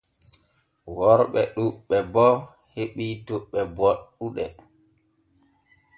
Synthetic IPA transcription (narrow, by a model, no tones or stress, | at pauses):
wɔɾɓɛɗuɓːɛbɔ | heɓituɓɛbɔɗːuɗɛ